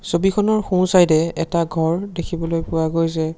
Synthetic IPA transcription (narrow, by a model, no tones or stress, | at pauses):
sobikʰɔnɔɹxũsajdɛɛtaɡʱɔɹdekʰibɔlojpʊwaɡojzɛ